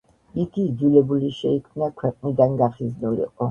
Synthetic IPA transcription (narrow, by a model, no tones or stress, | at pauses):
iɡid̪zilɛbuliʃɛikʰmnakʰwɛqʼnid̪anɡaχiznulḭqʼɔ